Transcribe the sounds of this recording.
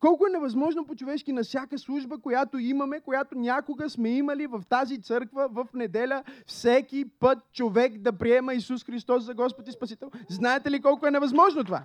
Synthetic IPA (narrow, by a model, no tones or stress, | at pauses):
kɔlˠkoɛnɛvɐzmɔʒnopot͡ʃovɛʃkinɐfsʲjakəslˠuʒbəkojat̪oimɐmɛkojat̪onʲakoɡəsmɛiməlivɐft̪azit̪sɤɾkvəvɐfnɛd̪ɛlʲəfsɛkipət̪̚t͡ʃovɛkd̪ɐpɾiɛməisusxɾist̪ɔsːɐɡɔspot̪ispɐsit̪ɛlˠznaɛt̪ɛlikɔlˠkoɛnɛvɐzmɔʒnot̪ova̰